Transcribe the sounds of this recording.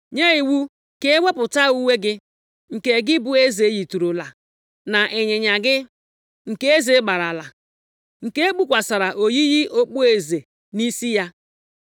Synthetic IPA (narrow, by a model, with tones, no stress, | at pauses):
ɲe˦i˨wu˦ | ke˦we˦pʊ˨ta˦u˦we˦ɡɪ˦ | ŋ̩˨ke˨ɡɪ˦bʊ˦e˦ze˨˦ji˨tu˨ɾu˨la˨ | na˨ʔe˨ɲe˨ɲa˨ɡɪ˦ | ŋ̩˨ke˦e˦ze˨˦ɡ͡ba˨ɾa˨la˨ | ŋ̩˨ke˦e˦k͡pu˦kʷa˨sa˨ɾa˨ʔo˨ji˦ji˦ʔo˦k͡po˦e˨ze˨ | ni˦si˦ja˦